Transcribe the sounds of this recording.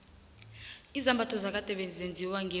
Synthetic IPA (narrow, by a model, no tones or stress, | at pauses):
izambʱatʰɔzak̬ʼatʼɛɓed͡zend͡zʱiwaŋɡe